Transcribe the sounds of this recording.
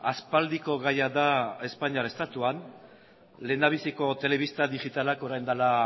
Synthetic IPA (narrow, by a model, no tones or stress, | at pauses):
aspald̪iko̞ɣajaðae̞spaɲiaɾest̪at̪uan | le̞naβ̞isiko̞t̪e̞le̞βist̪aðiʝit̪alako̞ɾajnd̪ala